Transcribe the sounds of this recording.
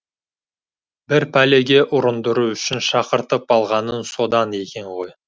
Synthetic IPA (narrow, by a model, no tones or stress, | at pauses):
b̥ɪɾpʰæle̞ɡʲe̞ʔʊɾənd̪ʊɾuʏʃɪnʃɑqəɾt̪əp̚ɑlˠʁɑnənso̞d̪ɑne̞kʲe̞ɴʁo̞j